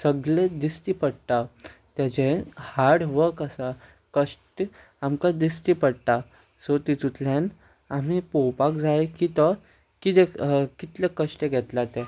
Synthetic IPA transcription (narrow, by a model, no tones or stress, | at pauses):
səɡɭẽd̪ist̪ipəɽt̪at̪jat͡ɕẽhaɽʋəkəsa | kəʂʈi | amkad̪ist̪ipəɽʈ̪a | sot̪it̪ut̪ljan | am̤ipowpakd͡zaekit̪ɔ | kit̪ekit̪lakəɕʈ̪eɡʱɛt̪lat̪e